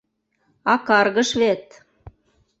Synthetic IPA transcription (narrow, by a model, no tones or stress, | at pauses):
ɑkɑrɣəʃβet̪